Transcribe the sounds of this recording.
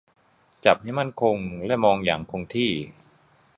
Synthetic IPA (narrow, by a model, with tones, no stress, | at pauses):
t͡ɕa˨˩p̚ha˥˩jma˥˩nkʰo˧ŋlɛː˦˥˩mɔː˧ŋja̰ː˨˩˦ŋkʰo˧ŋt̪ʰiː˥˩